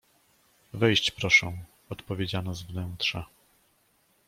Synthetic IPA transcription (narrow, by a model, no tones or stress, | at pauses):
vɛjɕt͡ɕpɾɔʂɛ̃ | ɔt̪pɔvʲed͡ʑanɔzvnɛnt̪ʂa